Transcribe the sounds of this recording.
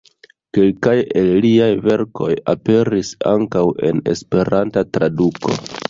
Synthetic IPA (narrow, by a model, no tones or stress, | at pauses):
ke̞lkaje̞lliajve̞ɾkʰo̞jape̞ɾisaŋkawe̞̰ne̞̰spe̞ɾantatɾaduko̞̰